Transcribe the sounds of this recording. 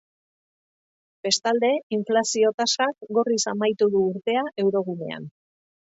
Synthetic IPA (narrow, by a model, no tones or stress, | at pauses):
be̞st̪ald̪e̞iɱflasio̞t̪asakɡo̞risamajt̪uðuːɾt̪e̞aʔe̞wɾo̞ɣ̞une̞̰a̰n